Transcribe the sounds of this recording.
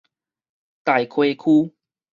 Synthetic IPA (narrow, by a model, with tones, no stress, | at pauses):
t̪a˨˩jkʰwe˧kʰu˦